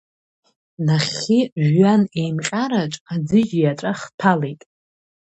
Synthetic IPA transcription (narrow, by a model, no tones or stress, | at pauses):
naχʲiʒɥanejmqʲʼaɾat͡ʃʼad͡zɨd͡ʒijaʈ͡ʂʼaχtʰalejtʼ